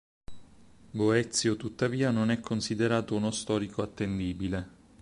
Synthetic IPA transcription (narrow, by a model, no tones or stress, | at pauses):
boɛt̪sːjot̪ut̪ːaviːanonɛkʰːonsid̪eɾaːt̪ounost̪ɔːɾikoat̪ːend̪iːbile